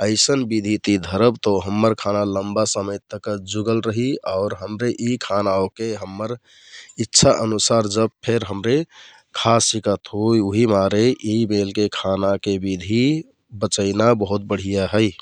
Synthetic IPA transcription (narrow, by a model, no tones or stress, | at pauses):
əɪsənbid̪ʱit̪id̪ʱəɾəbt̪ɔɦəmːəɾkʰanaləmbasəməjt̪əkəd͡ʒuɡəlɾəɦiaʊɾɦəmɾeʔikʰanaokeɦəmːəɾ | itːʃʰaʔənusaɾd͡ʒəb̚pʰeɾɦəmɾe | kʰasikət̪ɦojuɦimaɾeibelkekʰanakebid̪ʱi | bət͡ʃəɪnabəɦut̪̚bəɽ̤ijaɦəɪ